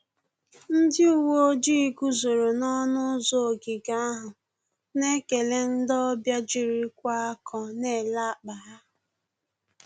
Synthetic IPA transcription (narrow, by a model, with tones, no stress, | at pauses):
n̩˦dɪ˦u˨wo˦o˦d͡ʒi˦ɡu˦zo˨ɾo˨nɔ˦nʊ˦zo˦˨ɡɪ˨ɡa˦a˦ɦʊ˨ | ne˦ke˨le˦n̩˦dɔ˦bja˦d͡ʒi˨ɾi˦kʷa˦a˦kʰɔ˦˨ne˦˨la˦˨k͡pa˨ɦa˦